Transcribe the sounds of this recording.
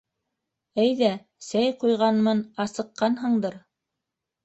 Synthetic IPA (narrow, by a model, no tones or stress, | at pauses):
æjðæ | sæjqujʁɑnmɤnɑsɤ̆qːɑnɦɤ̆ɴd̪ɤɾ